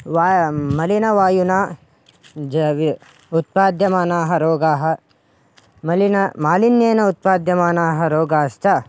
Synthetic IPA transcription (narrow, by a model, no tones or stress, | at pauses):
ʋaːmɐlinɐʋaːjunaː | d͡ʒʋ | ut̪̚paːd̪jɐmaːnaːɦɐɾoːɡaːɦɐ̆ | mɐlinɐmaːlinjeːnɐut̪̚paːd̪jɐmaːnaːɦɐɾoːɡaːʃt͡ʃɐ